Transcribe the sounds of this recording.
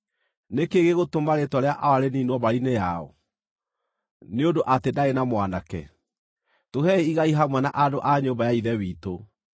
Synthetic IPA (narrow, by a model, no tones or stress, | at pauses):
nekeɣeɣotomaɾetɔɾeaʔawaɾeniːnwɔβaɾinejaɔ̰ | neondoʔatendaenamwanakɛ̰ | tohɛeiɣaiɦamwanaʔadoʔaɲoːmbajaiðɛwiːto